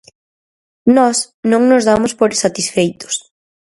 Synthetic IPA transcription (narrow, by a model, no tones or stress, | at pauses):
nɔs | nõŋnʊzðamʊspoɾɪsat̪isfejt̪ʊ̥s